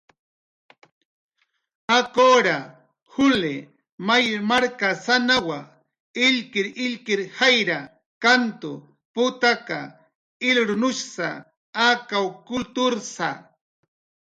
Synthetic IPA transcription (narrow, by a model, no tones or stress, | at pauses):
akoːɾa | hʊle | majɾmaɾkasanawa | ɪʎkɪɾɪʎkɪɾhajɾa | kant̪ʊ | pʊt̪aka̰ | ɪlɾʊnʊʃsa̰ | akawkʊlt̪ʊɾsa̰